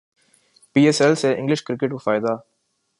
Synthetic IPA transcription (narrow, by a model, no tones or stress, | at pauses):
piːesɛlseʔɪ̃ŋɡlɪʃkɾɪkeʈkofaːɪd̪a